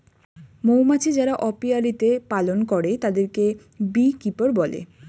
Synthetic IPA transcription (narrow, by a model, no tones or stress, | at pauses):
mowmat͡ɕid͡ʑaɾaʔɔpialit̪epalonkɔɾet̪ad̪eɾke | bikipoɾbɔlḛ